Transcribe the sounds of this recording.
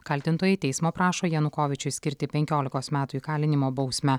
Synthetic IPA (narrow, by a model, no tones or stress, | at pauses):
kɐlʲt̪ʲɪnt̪oːjɛt̪ʲɛɪsmoːpɾɑːʃoːjɛnʊkoːʋʲɪt͡ʃʲʊsʲkʲɪɾʲt̪ʲɪpʲɛŋʲkʲoːlʲɪkoːsmʲæːt̪ʊikɑːlʲɪnʲɪmoːbɒʊsʲmʲɛ